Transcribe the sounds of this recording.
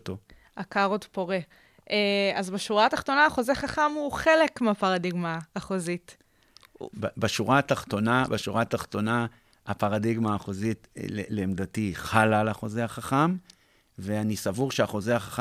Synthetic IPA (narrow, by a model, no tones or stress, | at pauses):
t̪o | akaʁodpo̞ʁe | eazbeʃuʁat̪aχt̪o̞naːχo̞zeχaχamuχe̞lekmeapaʁadiɡmaːχozit | bbaʃuʁat̪aχt̪o̞nabaʃuʁat̪aχt̪o̞na | apaʁadiɡmaːχozitleleːmd̪atiχalalaχo̞zeaχaχam | veanisavuʁʃeaχo̞zeaχaχ